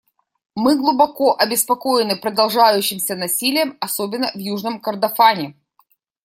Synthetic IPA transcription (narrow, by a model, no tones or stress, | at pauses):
mɨɡlˠʊbɐko̞ʔɐbʲɪspɐkojɪnɨpɾəd̪ɐlˠʐajʉɕːɪmsʲənɐsʲilʲɪjəmɐsobʲɪnːəvjuʐnəmkərd̪ɐfanʲɪ